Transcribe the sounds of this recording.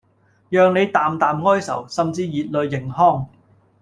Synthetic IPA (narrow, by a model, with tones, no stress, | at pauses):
jœː˨ŋne˨˧jt̪aː˨mt̪aː˨mŋɔː˥jsɐ̰˨˩wsɐ˨mt͡siː˧jiː˨t̚lɵ˨˧ɥːɪ˨˩ŋhɔː˥˩ŋ